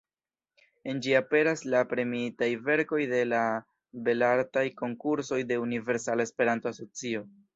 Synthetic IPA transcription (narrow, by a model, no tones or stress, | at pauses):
e̞nd͡ʒiape̞ɾaslapɾe̞miitajve̞ɾko̞jde̞la | be̞laɾtajko̞ŋkuɾso̞jde̞unive̞ɾsalaespe̞ɾanto̞aso̞t͡sio̞